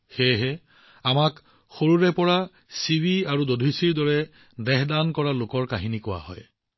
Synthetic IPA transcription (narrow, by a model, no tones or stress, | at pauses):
xɛɦɛ | amak | xoɹuɹɛpɔɹa | siwiaɹudodʱisiɹdɔɹɛ | dɛɦdankɔɹalokɔɹkaɦinikʊwa̰ɦɔ̰j